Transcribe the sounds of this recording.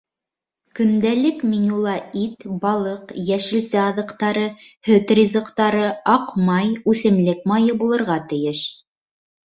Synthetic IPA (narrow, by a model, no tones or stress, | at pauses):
kɵ̆nd̪ælɘkminʲulˠɑit̪bɑlˠɤqjæʃɘ̆lsɘɑðɤ̆qt̪ɑɾɤhɵt̪rʲizɤ̆qt̪ɑɾɤɑqmɑjʉθɘ̆mlɘk̚mɑjɤbulˠɤ̆ɾʁɑt̪ɘ̆jɘʃ